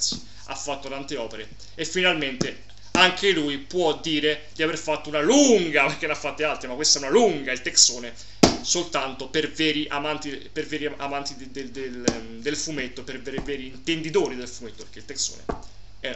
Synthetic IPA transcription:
si̥ | a̰fːat̪ːot̪ant̪eɔːpeɾe | efːinalment̪e | aŋkʰelujpwɔd̪ːiːɾed̪iaverfat̪ːounaluŋɡaperk̟enafːat̪ːealt̪ɾimakːwest̪aɛunaluŋɡailt̪eksoːne | solt̪ant̪opervɛːɾiʔa̰mant̪ipervɛːɾiaa̰mant̪id̪ed̪el | d̪elfumet̪ːoperveɾvɛːɾiːnt̪end̪it̪oːɾid̪elfumet̪ːopeɾk̟ːeilt̪ekso̰ːnḛ | ɛ

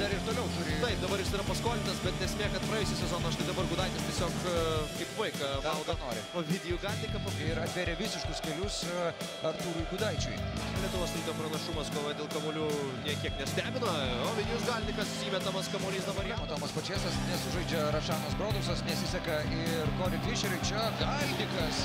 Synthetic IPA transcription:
d̪ɐɾɪɾt̪oːlʲɛʊt̪ʊɾʲɪt̪ɐɪp̚d̪ɐbɐɾjɪsiːɾɐpɐskoːlʲɪnɐsbʲɛt̪̚d̪ʲɛsʲmʲeːkɐt̪̚pɾɐɛːʊsʲɛsʲɛzoːnoːɐʃt̪ɐɪd̪ɐbɐrɡud̪ɐɪt̪ʲɪsʲtʲɛsʲoːkkɐɪpʋɐɪkɐɐlˠɡɐnoːɾʲɪ̰oːʋʲɪd̪ʲɪjuɡɐːlʲt̪ʲɪkɐpokʲɪɾɐt̪ʲʋʲeːɾʲɛʋʲɪsʲɪʃkʊskʲɛlʲʊs | ɐrt̪uːɾʊɡud̪ɐɪt͡ʃʲʊ̰ɪlʲiɛt̪ʊʋoːst̪ɾuːd̪ɐpɾɐnɐʃumɐskoːʋɐd̪ʲeːlˠkɐmoːlʲuː | nʲiɛkʲiɛknʲɛsʲt̪ʲæːbʲɪnɐoːʋʲɪd̪ʲjuːsɡɐlʲnʲɪkɐssʲiːmʲɛt̪ɐmɐskɐmoːlʲiːsd̪ɐbɐɾjɛt̪oːmɐspɐt͡ʃʲeːsɐsnʲɛsʊʒɐɪd͡ʒʲɛɾɐʃɑːnoːsbɾoːd̪ʊsɐsnʲɛsʲɪsʲɛkɐ | ɪrkoːɾʲɪkʋʲɪʃʲɛɾʲɛɪt͡ʃʲɛɡɐlʲnʲɪkɐs

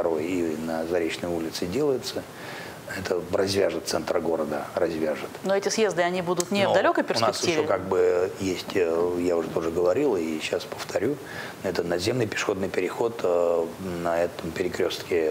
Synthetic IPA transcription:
t̪ɐɾo̞jinəzɐɾʲet͡ɕnəjulʲɪt̪sɨdʲe̞lˠəjɪt̪sə | ɛt̪ʰərɐzʲvʲaʐɨt̪t̪sɛnt̪ɾəɡo̞ɾəd̪ərɐzʲvʲaʐɨt̪noɛtʲɪsjezd̪ɨɐnʲibud̪ʊt̪nʲɪvd̪ɐlʲokəjpʲɪrsnʲɪsk̪ɪiɕvokaɡ̚bɨjesʲtʲjaʊʐɛt̪o̞ʐɨɡəvɐɾʲilˠiɕaspə̥ft̪ɐɾʲu | ɛt̪ət̪nɐd̪zʲe̞mnɨjpʲɪ̥ʂɨ̥xo̞d̪nɨjpʲɪɾʲɪxo̞t̪ | nɐɛt̪əmpʲɪɾʲɪkɾʲo̞st̪kʲɪ

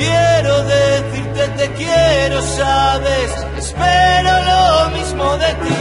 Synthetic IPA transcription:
jeɾoðeθiɾt̪et̪ekjeɾosaβes | espeɾolomizmoðet̪i

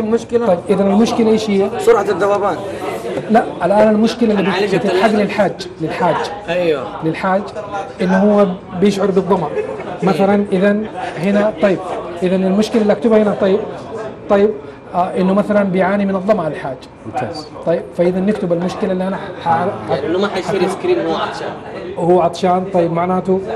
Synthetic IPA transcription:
mʊʃkɪlaɑjbʔɪðanɪlmʊʃkɪlaʔeːʃhɪjːasʊɾʕat̪ɪd̪ːɑwaːbaːnlaʔʔalʔaːnalmʊʃkɪlaʔɪlːibt̪ɪt̪ħaɡlɪlħaːd͡ʒːalɪlħaːd͡ʒːḁʔalɪlħaːd͡ʒːaʔɪnːʊhʊwːa | bjɪʃʕʊɾˤbɨd̪ˤːɑmɑʕmaθalanʔɪðanhɪnat̪ˤɑjːɪb̚ʔɪðanɪlmʊʃkɪlaɪlːiʔakt̪ʊbahɪnat̪ˤɑjːɪb̚t̪ˤɑjːɪb̚ | ʔɪnːʊmaθalanbɪjʕaːnimɪnɨðˤːɑmaʕlɪlħaːd͡ʒːḁ | a̰t̪ˤɑjːɪb̥faʔɪðanːɪkt̪ɪbalmʊʃkɪlaɪlːiʔanaħaħanːmaħaskɾiːmˤʃa | huwːaʕɑt̪ˤʃaːnt̪ˤɑjːɪbmaʕnaːt̪u

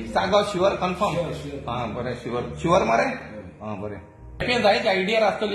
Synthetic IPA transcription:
saɡaɕiʋəɾkənfʰəɾmɦãbəɾeɕiʋəɾɕiʋəɾməɾe | ɦãbəɾḛ | epẽd͡zait͡ɕaiɽijaɾast̪ol

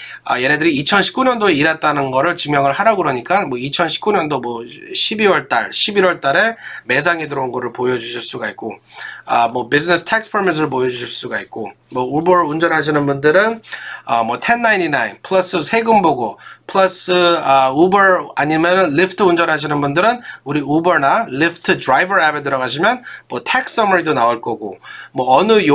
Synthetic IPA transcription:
ʌje̞ɾedɯɾiːt͡ɕʰʌnɕʰi̥p̚k͈uɲʌndoeiɾat̚t͈anɯnɡʌɾɯɭt͡ɕimjʌŋɯɭhaɾaɡɯɾʌɲik͈anmwʌit͡ɕʰʌnɕʰi̥p̚k͈uɲʌndomwʌɕʰibiwʌɭt͈a̰ɭɕʰibiɾwʌɭt͈aɾe̞me̞s̬ʰaŋedɯɾounɡʌɾɯɭpojʌd͡ʑuɕʰiɭs͈uɡait̚k͈oʌmwʌbid͡ʑʰinesʰtʰak̚s͈pʰemis̬ʰɯɾɯɭpojʌd͡ʑuɕʰiɭs͈uɡait̚k͈o | mwʌubʌɾund͡ʑʌnɦaɕ̬ʰinɯnbundɯɾɯnʌmwʌtʰe̞nːaininainpʰɯɭʌs͈ɯsʰe̞ɡɯmboɡopʰɯɭʌs͈ɯʌubʌɾaɲimjʌnɯnlipʰtʰɯund͡ʑʌnɦaɕ̬ʰinɯnbundɯɾɯnuɾiubʌɾnalipʰtʰɯdɾajbʌɾabetɯɾʌɣaɕ̬ʰimjʌnmwʌtʰek̚ss͈ʌmaɾidonaoɭk͈ʌɡomwʌːnɯ

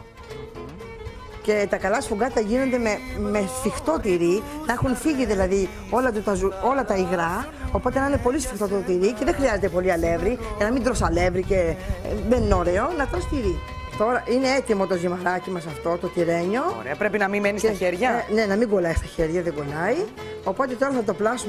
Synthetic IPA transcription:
ce̞t̪ɐkɐlɐsfuɡɐt̪ɐʝino̞nd̪ememesfixt̪o̞t̪iɾinɐexunfiʝiðilɐði | o̞lɐt̪ut̪ɐzuo̞lɐt̪ɐiɣɾɐ | opo̞t̪enɐinepo̞lisfixt̪o̞t̪ot̪iɾice̞ðexɾiɐze̞t̪epo̞liɐle̞vɾicɐnɐmind̪ɾosɐle̞vɾicemenːoɾe̞o̞nɐt̪ɾost̪iɾi | t̪o̞ɾɐʔine̞e̞t̪imo̞t̪o̞zimɐɾɐcimɐsɐft̪o̞t̪ot̪iɾe̞ɲo̞ɾḛpɾepinɐmimeniseɾʝɐne̞nɐmiɡo̞lɐist̪ɐçeɾʝɐðeŋɡo̞lɐi | o̞po̞t̪e̞t̪o̞ɾɐθɐt̪o̞plɐsu

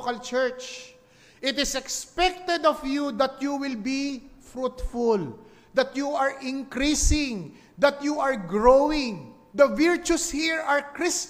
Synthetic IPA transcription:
kɐlt͡ʃɛɹt͡ʃ | ʔɪt̪ɪsɛkspɛk̚t̪ɛd̪ɔvjud̪ɐt̪̚juwɪlbifɾut̪fʊl | d̪ɐt̪juaɹʔɪ̃ŋkɾisɪ̃ŋ | d̪ɐt̪juaɹɡɹoɪ̃ŋ | d̪ɐvɪɹt͡ʃushiɹaɹkɹɪs

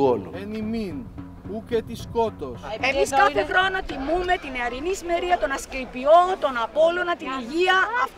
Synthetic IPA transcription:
olṵenimin | uket̪iskot̪ose̞mmiskɐθexɾonɐt̪imume̞t̪ineɐɾinisime̞ɾiɐt̪o̞nɐskeipio̞t̪o̞nɐpo̞lonɐt̪iniʝiɐː

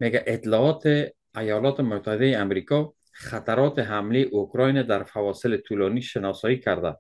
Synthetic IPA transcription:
meɡaʔɪt̪lɔɒt̪e | ajɒlɔt̪emʊt̪ʰːahɪd̪ajeamɾikɔ | xat̪aɾɔt̪eɦamleʔokɾɔjned̪aɾfawɒsɪlɪt̪ʰulɔniʃɪnɒsɔjikʰaɾd̪a̰

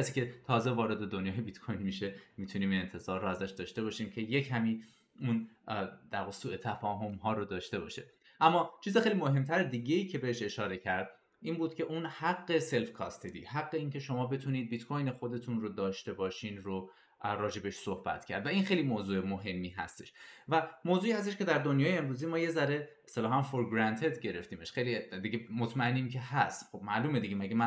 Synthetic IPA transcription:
æsiːkʲcʰe̞t̪ʰɒːzevɒːɾe̞d̪ed̪onjɒːjebit̪kʰojnmiʃemiːt̪ʰuniːmne̞nt̪ʰe̞zɒːɾːoæzæʃd̪ɒːʃt̪e̞bɒːʃiːmcʰe̞je̞cʰæmiː | und̪̥æːʁɣesuːe̞t̪ʰæfɒːɦomɦɒːɾod̪ɒːʃt̪e̞bɒ̰ʃḭ | ʔæmːɒːt͡ʃʰiːzexejlimoɦe̞mt̪ʰæɾed̪iːɟe̞iːcʰe̞be̞heʃe̞ʃɒːɾe̞cʰæɾd̪ | ʔiːnbuːd̪̥cʰe̞ʔuːnhæɡːe̞se̞lfkʰɒ̰st̪ʰed̪ḭːhæɡːe̞iːncʰe̞ʃo̞mɒːbe̞t̪ʰuniːd̪̚bit̪kʰojnexod̪e̞t̪ʰunrod̪ɒːʃt̪e̞bɒːʃiːnɾo | ɾɒːd͡ʒe̞beʃsohbæ̰t̪ʰcʰæ̰ɾd̪væinxejliːmoːzuːemoɦe̞mːiːɦæ̰st̪e̞̥̰ʃvæmoːzuːiːhæs̬t̪eʃcʰe̞d̪æɾd̪o̞njɒːjeemɾuːzimɒːje̞zæɾe̞est̪elɒːɦæmfoɾɡɾænt̪ʰe̞d̪ɟe̞ɾe̞ft̪iːmeʃxejlid̪iɡemot̪ʰmæenːiːmcʰe̞hæst̪xobmæʔluːmed̪iɟemæɡemæ

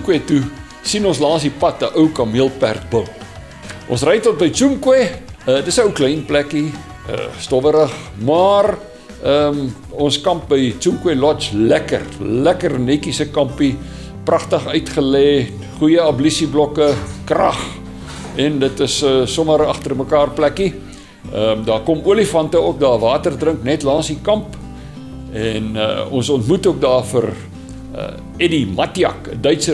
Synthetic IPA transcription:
kwɛtu | sinɔ̃nslɑːsdipɐtəʔəwkɐmiəlˠpæ̰rt̚bəw | ʔɔ̰̃nsrɛjtɔt̚bəjt͡sumkwɛdətsəəwklɛjnplæki | ə̰stɔvəɾəχmɑːr | əm | ɔnskɐmp̚bəjt͡sumkwɛlɔt͡ʃlækə̰rlækərnɛkisəkɐmpi | prɐχtəχœɥtχəlɛː | χujəɐblisiblɔkəkrɐ̰χ | ɛndətəsəːɔməɾɐχtərməkɑːrplæki | ədɑːkɔmuəlifɐntəuək̚dɑːvɑːtərdrəŋknɛtlɑːnsikɐmp | ɛn̰ɔ̰nsɔntmutuək̚dɑːfər̰ | ɛdimɐtiɐ̰kdœɥtsə

